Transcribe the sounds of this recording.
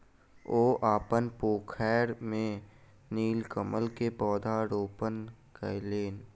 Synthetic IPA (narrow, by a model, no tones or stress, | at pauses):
oːʔaːpənpoːkʰɛːɾmẽ | niːlkəməlkebɔːd̪ʱaɾoːpən | kəleːn